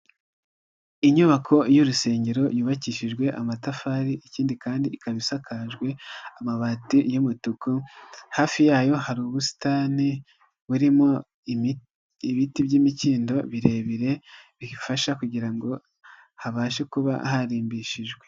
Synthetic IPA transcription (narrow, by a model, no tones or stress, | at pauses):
iɲuβakʰo̞juɾuse̞ːɲɟe̞ɾo̞juːβaciʃiʒɡwe̞ʔamatafaːɾiʔiciːndikaːndiikaβisakʰaʒɡwe̞amaβatijumutukuhaːfijaːjo̞haɾuːβusi̥taːni | βuɾimo̞ | iβitibɟimiciːndo̞βiɾe̞βiɾe̞βiifaʃakuɟiɾaŋɡo̞ | haβaːʃekuβa̰ɦaɾiːmbiʃiʒɡwe